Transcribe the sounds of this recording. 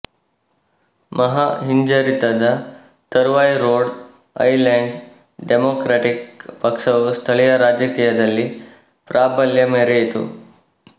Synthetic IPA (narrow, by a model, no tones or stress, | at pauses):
mʔɐɦaɦiɲd͡ʒaɾit̪ad̪a | t̪əɾʋajɾoɽ | ɐ̰jleɳɖ | ɖemokɾaʈik̚pɐkʂɐʋst̪ʰəɭijɐɾad͡ʒəkiːjɐd̪ɐlːi | pɾʔabəljɐmeɾeet̪ṵ